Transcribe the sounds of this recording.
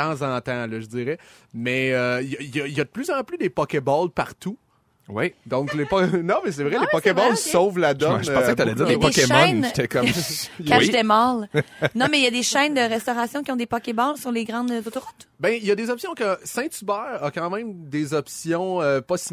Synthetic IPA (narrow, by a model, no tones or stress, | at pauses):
ɑ̃zɑ̃t̪ãlɔʒəd͡zziːʁɛ | mɛøijʌijɐijad̪əplyzɑ̃plyd̪epɔkʲebɔlpaʁt̪u | wid̪ɔ̃klepɔnɔ̃mɛs̬ɛvʁɛlepɔkebɔlsɔʊvlad̪ɔ̃alɛd͡ziːʁeɔkemɔnnt̪ɛkɔkaid̪ɛmalnɔ̃mɛjad̪eʃɛ̃nd̪əʁɛst̪ɔʁasjɔ̃kʲiɔ̃d̪epɔkʲebɔlsyʁleɡʁɑ̃d̪zot̪oʁʊt̪bɛ̃ijɐd̪ezɔpsjɔ̃kəsɛ̃t̪ybɛːʁɐkɑ̃ːmɛ̃md̪ezɔpsjɔ̃øpɔsi